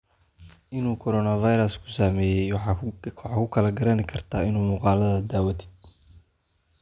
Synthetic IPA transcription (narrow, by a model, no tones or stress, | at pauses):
ɪnuːkʰɔɾɔnɐvɐjɾɐskʰʊ̥saːmɛːjɛj | ħɑkʰʊkʰɐlɐɡɐɾɐnɪkʰɐrt̪ʰaːɪnuːmʊːqɑːlɐðɐd̪aːwɐt̪ʰɪ̥d